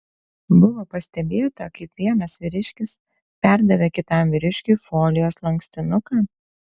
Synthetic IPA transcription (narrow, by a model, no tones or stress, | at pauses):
bʊʋoːpɐsʲt̪ʲɛbʲeːt̪ɐkɐɪpʋʲiɛnɐsʋʲɪɾʲɪʃʲkʲɪs | pʲæɾd̪ɐʋʲekʲɪt̪ɑmʋʲɪɾʲɪʃʲkʲʊɪfoːlʲɪjoːslˠɐŋksʲt̪ʲɪnʊkɑː